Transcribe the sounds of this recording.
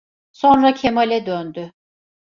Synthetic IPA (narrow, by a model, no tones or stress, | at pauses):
so̞nɾacʰemalʲɛd̪ønd̪y